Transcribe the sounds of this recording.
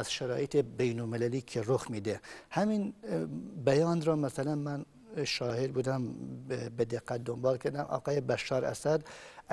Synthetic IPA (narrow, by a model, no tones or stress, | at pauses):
æz̥ʃæɾɑ̰ːʔet̪ebejnolmelæliːkʰeɾoxmiːd̪ehæmin | bæjɑːnɾɒːmæsælænmæn | ʃɑːhed̪buːd̪æmbed̪eqːæt̪̚d̪ombɑːlkʰæɾd̪æmʔɒ̰ːqɑːjebæʃːɑːɾæ̰sæd̪